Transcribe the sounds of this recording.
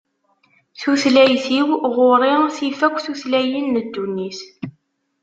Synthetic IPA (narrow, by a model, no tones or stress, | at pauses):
θuθlæjθiwʁoɾˤɪθifækʷːθuθlæjinːəd̪ːunːis